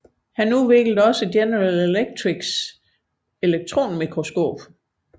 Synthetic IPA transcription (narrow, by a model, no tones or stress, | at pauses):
hænuʋe̝ɡ̥l̩d̩ɒ̽səd̥jenəʁaleleɡ̥̚t͡sʰʁiɡ̥s | e̝leɡ̥̚t͡sʰʁo̝̰ːnmikʰʁo̝sɡ̥o̝̰ːb̥